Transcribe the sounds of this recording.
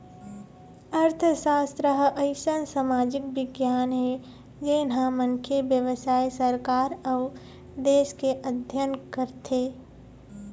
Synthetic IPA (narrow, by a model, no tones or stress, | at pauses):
əɾt̪ʰʃaːst̪ɾəɦʔɐɪʃənsamaːd͡ʒɪk̚ʋɪɡjaːnɦɛ | d͡ʒenɦãmənkʰebjəʋsaːjsəɾkaːɾɐʊ | d̪eːʃkeʔəd̪ʱjənkəɾt̪ʰeː